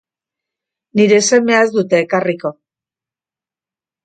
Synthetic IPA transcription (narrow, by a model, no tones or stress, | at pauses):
niɾe̞se̞me̞ae̞zd̪ut̪e̞ːkariko̞